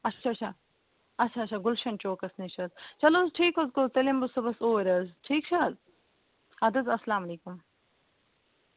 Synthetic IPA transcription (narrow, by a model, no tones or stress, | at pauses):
ɐtːt͡ʃʰaːt͡ʃʰa | ɐtːt͡ʃʰaːtt͡ʃʰaɡʊlʃɐɳt͡ʃoːkɐsnit͡ʃʰɐzt͡ʃɐloːzʈʰiːkɦɐzkot̪ɐlimbusɐbɐsoːɾɐzʈʰiːk̚t͡ʃʰɐ | ɐd̪ɐzɐslaːmɐleːkum